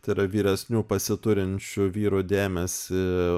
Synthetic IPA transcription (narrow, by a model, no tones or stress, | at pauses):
t̪ɐɪɾɐʋʲiːɾʲɛsʲnʲuːpɐsʲɪt̪ʊɾʲɪnʲt͡ʃʲʊʋʲiːɾuːd̪ʲæːmʲɛsʲɪ